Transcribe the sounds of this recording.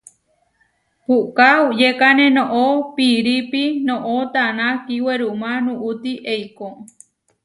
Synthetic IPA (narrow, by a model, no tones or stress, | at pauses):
pukaud͡ʒekanẽnõʔopiɾipinõʔot̪anãkiweɾumãnũʔut̪iʔejko